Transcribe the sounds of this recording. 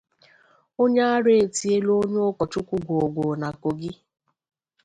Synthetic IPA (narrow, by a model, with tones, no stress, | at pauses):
o˦ɲa˦a˦ɾe˨e˨ti˨e˦lo˦ɲ˦ʊ˦kɔ˨t͡ʃʊ˦kʷu˦ɡʷo˨ɡʷo˨na˨ko˨ɡɪ˦